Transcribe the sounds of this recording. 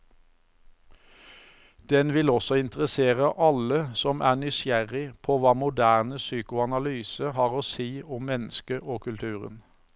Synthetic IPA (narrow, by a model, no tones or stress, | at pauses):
d̪̥ɛnʋɪlɔsɔɪnt̪əʁəseːʁəʔɑləsɔmʔæːnʏsjæʁɪpʰoːʋɑːmʊd̪æːnəsyːkʊɑnɑlyːsəhɑːʁoːseːɔmmɛnəskəʔoːkʰʉlt̪ʰʉːʁə̰n